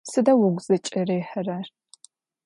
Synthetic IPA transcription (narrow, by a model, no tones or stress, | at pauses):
sɨdɐwʊɡʷz̥ɐt͡ʃʼɐreːħərɐr